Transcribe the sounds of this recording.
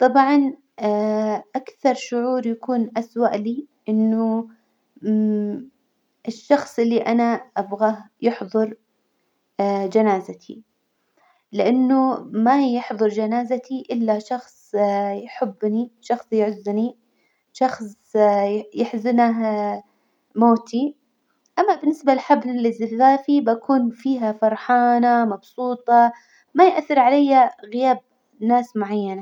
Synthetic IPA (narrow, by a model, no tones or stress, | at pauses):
t̪ˤɑbʕɑn | ʔakθɑɾˤʃʊʕuːɾjakuːnʔaswaʔliːʔɪnːʊ | ʔɪʃːɑxsˤʔɪlːiʔanaʔabɣajɪħðˤɨɾ | d͡ʒanaːzat̪ʰḭ | lɪʔanːʊmajɪħðˤɨɾˤd͡ʒanaːzat̪ʰiʔɪlːaʃɑxsˤjħɪbːniʃɑxsˤjʕʊzːni | ʃɑxsˤ | jɪħzɪnaɦ | moːt̪ʰi | ʔamːabɪnːɪsbaɪħablɪzafaːfibakʰuːnfiːɦafɑɾˤħaːnamɑbsˤuːt̪ˤɑ | majɪʔaθːɪɾʕalajːaɣɪjaːb̚ | naːsmʊʕajːana